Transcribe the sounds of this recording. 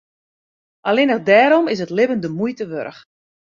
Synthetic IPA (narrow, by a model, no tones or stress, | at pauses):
ʔalɪnəxdɛːɾɔmɪs̬ətlɪbəndəmujtəʋø̰ɾəx